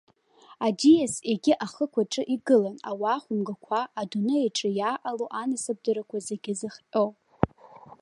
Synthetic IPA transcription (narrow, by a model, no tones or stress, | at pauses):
adijaseɡʲɪʔaχəkʷʰaʈ͡ʂʼɨʔiɡɨlana̰waːχʷʊmɡakʷʰaːdunɨeʈ͡ʂʼɨjaːʔaloʔanɨsɨb̚dɨɾakʷʰazeɡʲɪzɨχpʼowʼ